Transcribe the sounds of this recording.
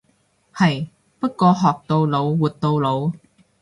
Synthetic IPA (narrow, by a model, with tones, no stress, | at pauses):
hɐ˨j | pɐ˥t̚kɔː˧ɦɔː˨˩k̚t̪o˧wlo˨˧wwuː˨t̚t̪o˧wlo˨˧w